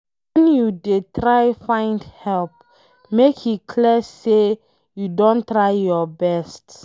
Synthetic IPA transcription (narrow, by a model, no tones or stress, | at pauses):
wwɛ̃njudetɹajfãjndhɛlp̚ | mekʰhukʰlise | judõntɹajjɔbɛst